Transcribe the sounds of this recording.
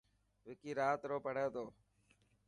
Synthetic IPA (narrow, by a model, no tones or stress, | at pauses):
ʋɪkiːɾaːt̪ɾoːpəɽeːt̪oː